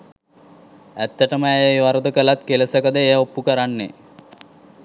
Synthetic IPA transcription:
æt̪ːəʈəməejəjʋaɾəd̪əkəlat̪keləsəkəd̪əejəopːukəɾanːḛ

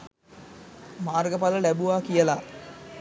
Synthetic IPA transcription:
maːrɡəpaləlæbuʋaːkijəla

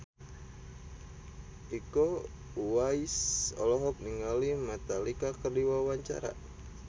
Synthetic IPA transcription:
ʔiko | uwaisɔ̰lɔɦɔk̚niŋalimɛt̪alikakərdiwawaɲt͡ʃa̰ɾa̰

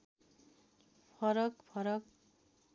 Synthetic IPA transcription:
pʰʌɾʌkpʰʌɾʌk̚

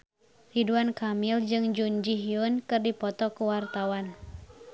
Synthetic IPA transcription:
riduankamild͡ʒɨŋd͡ʒund͡ʒiɦiunkɨrdipɔt̪ɔkuwart̪awan

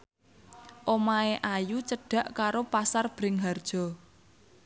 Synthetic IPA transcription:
ʔomaeʔajut͡ʃəɖ̥ä̤ʔkaɾopasarb̥ɾɪŋɦard̥ʒ̥ɔ̤

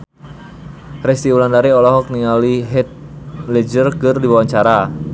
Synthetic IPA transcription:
rɛst̪iwulandaɾiɔlɔɦɔk̚niŋaliɦɛt̪̚lɛd͡ʒərkɨrdibawaɲt͡ʃaɾa

